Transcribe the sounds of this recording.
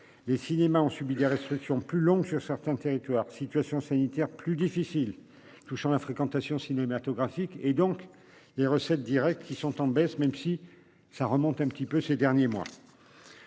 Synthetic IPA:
lesinemaɔ̃sɥibid̪eʁɛst̪χiksjɔ̃plylɔ̃ɡsyʁsɛʁt̪ɛ̃t̪eʁit̪waːʁsit̪ɥasjɔ̃sanit̪ɛʁplyd̪ifisil | t̪uʃɑ̃lafχekɑ̃t̪asjɔ̃sinemat̪ɔɡʁafiked̪ɔ̃k | leʁəsɛt̪̚d̪iʁɛk̚t̪kʲisɔ̃t̪ɑ̃bɛsmɛmsi | saʁəmɔ̃t̪ɛ̃pət̪ipøsed̪ɛʁnjemwa̰

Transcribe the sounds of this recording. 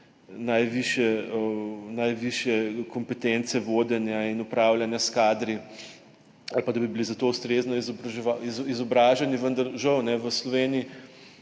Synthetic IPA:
najʋiʃjɛənajʋiʃjɛkɔmpɛt̪ent̪sɛʋoːd̪ɛnjainupɾaːwlʲjanjaskaːd̪ɾi | alpad̪abibilizat̪oːwst̪ɾeznɔizɔbɾɐʒɛaizizɔbɾaːʒɛniʋənd̪aɾʒɐwnɛʋəslɔʋeːnii

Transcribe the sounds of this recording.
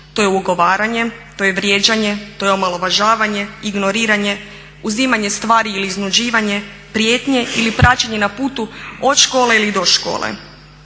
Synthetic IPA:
t̪o̞jeuɡo̞ʋaːɾaɲe̞t̪ojeʋɾjeːd͡ʑaɲe̞t̪o̞jeomalo̞ʋaʒaːʋaɲe̞iɡno̞ɾiːɾaɲe̞ | uzimaɲe̞st̪ʋaːɾiiliːznud͡ʑiːʋaɲe̞ | pɾje̞ːt̪ɲe̞ilipɾat͡ɕaɲe̞napuːt̪uo̞t̪ʃkoːleilid̪o̞ʃko̰ːlˠḛ

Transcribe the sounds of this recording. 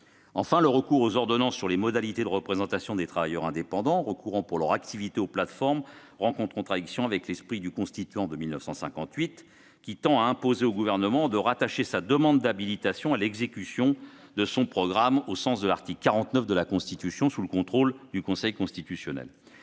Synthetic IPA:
ɑ̃fɛ̃ləʁəkuʁozɔʁd̪ɔnɑ̃sːyʁlemɔd̪alit̪ed̪əʁəpχezɑ̃t̪asjɔ̃d̪et̪χavajœʁɛ̃d̪epɑ̃d̪ɑ̃ʁəkuʁɑ̃puʁlœʁak̚t̪ivit̪eoplat̪fɔʁm | ʁɑ̃kɔ̃t̪kɔ̃t̪χad̪iksjɔ̃avɛklɛspχid̪ykɔ̃st̪it̪yɑ̃d̪əmilnəfsɑ̃sɛ̃kɑ̃t̪ɥit̪ | kʲit̪ɑ̃aɛ̃pozeoɡuvɛʁnəmɑ̃d̪əʁat̪aʃesad̪əmɑ̃d̪ːabilit̪asjɔ̃alɛɡzekʲysjɔ̃d̪əsɔ̃pχɔɡʁamosɑ̃sd̪əlaʁt̪ikkːaʁɑ̃t̪nœfd̪əlakɔ̃st̪it̪ysjɔ̃suləkɔ̃t̪χold̪ykɔ̃sɛjkɔ̃st̪it̪ysjɔnɛ̰l

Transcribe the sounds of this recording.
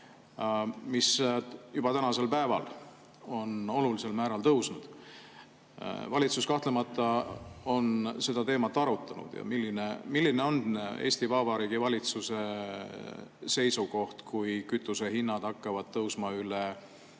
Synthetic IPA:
misjub̥ɑt̪ænɑse̞lpæevɑ̰l | o̞no̞lulise̞lmæːɾɑlt̪ɤwsnud̪̥ | vɑlʲit̪suskɑht̪le̞mɑt̪ːˑɑo̞nse̞d̪ɑt̪e̞ːmɑt̪ːˑɑɾut̪ːˑɑnṵd̪̥jɑ̰milːinemilːineo̞ne̞ːsʲt̪ivɑbɑɾiːɡivɑlʲit̪suse̞ | se̞jsuko̞ht̪kujkyt̪ːˑuse̞ɦinːɑd̪̥ɑkˑːɑvɑd̪̥t̪ɤwsmɑyle

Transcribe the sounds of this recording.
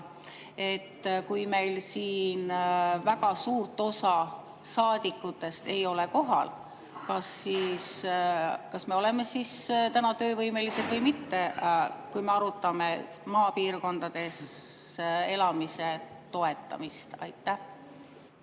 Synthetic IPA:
e̞t̪ːkujme̞jlsiːnvækɑsuːrt̪ːˑo̞sɑ | sɑːd̪̥ikːˑut̪ːe̞st̪e̞jo̞le̞ko̞ɦɑ̰l | kɑsːiːs | kɑsme̞o̞le̞me̞sist̪ænɑt̪ø̞ːvɤjmelised̪̥vɤjmit̪ːe̞kujme̞ɑɾut̪ːˑɑme̞ | mɑːpiːrko̞nd̪̥ɑd̪̥e̞s | e̞lɑmise̞ | t̪o̞e̞t̪ːˑɑ̰mist̪ɑ̰jt̪ːæh

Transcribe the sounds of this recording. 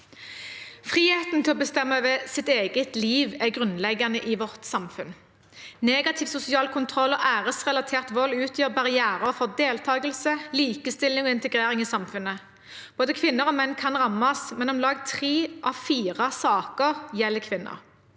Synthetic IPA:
fʁiːheːt̪n̩t̪ʰɪlɔbəst̪ɛmːəʋɛsɪt̪eːɡət̪liːʋɛɡʁʉnlɛɡɑnəʔɪʋɔʁt̪sɑmfʉn | neːɡɑt̪ʰɪʋsʊsɪɑːlkʰʊnt̪ʰʁɔlːɔʔæːʁəsʁɛlɑt̪ʰeːʁt̪ʋɔlːʉːt̪ʰjøːʁbɑʁɪæːʁəʁfɔd̪eːlt̪ʰɑːɡəlsəliːkəst̪ɪlːɪŋɔːɪnt̪əɡʁeːʁɪŋiːsɑmfʉnə | b̥oːd̪əkʰʋɪnːəʁɔmɛnːkʰɑnʁɑmːɑsmɛnʊmlɑːɡt̪ʰʁeːʔɑʋfiːʁɑsɑːkəʁjɛlːkʰʋɪnːɑ̰

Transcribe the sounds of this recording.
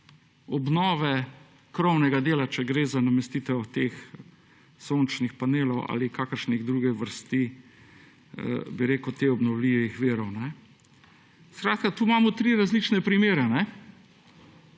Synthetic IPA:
ɔbnɔːʋɛ | kɾɔwnɛɡad̪eːlat͡ʃɛɡɾeːzanamɛst̪iːt̪ɛwt̪eːx | sont͡ʃnixpaneːlɔwa̰ːlikaːkəɾʃniɣd̪ɾuːɡɛʋəɾst̪i | biɾeːkəwt̪eɔbnɔwliʋixʋeːɾɔwnɛ | skɾaːt̪̚kat̪uːmaːmɔt̪ɾiːɾazliːt͡ʃnɛpɾimeːɾɛnɛ

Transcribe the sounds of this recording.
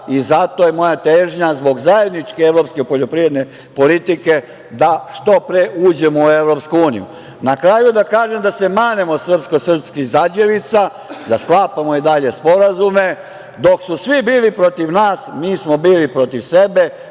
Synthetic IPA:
izat̪o̞jemo̞jat̪eːʒɲazbo̞ɡzaje̞d̪nit͡ʃkeeʋɾo̞ːpskeipo̞ʎo̞pɾiːɾe̞d̪ne | po̞lit̪ike | d̪aʃt̪o̞pɾeʔuːd͡ʑe̞moueʋɾo̞pskuuːnḭjṵ | nakɾajud̪akaːʒemd̪ase̞maːnemo̞sr̩pskosr̩pskizad͡ʑeʋit̪sa | d̪asklaːpamoid̪aʎe̞spo̞ɾazume̞ | d̪o̞ksusʋibiːlipɾo̞t̪iʋnaːsmiːsmo̞biːlipɾo̞t̪iʋse̞be̞

